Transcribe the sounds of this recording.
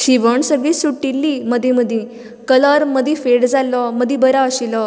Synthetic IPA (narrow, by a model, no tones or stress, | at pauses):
ɕiʋəɳsəɡɭiːsuʈːilːiməd̪ʱjiməd̪ʱĩ | kələɾməd̪ʱĩfeɽd͡zalɔməd̪ʱjibəɾaəɕilɔ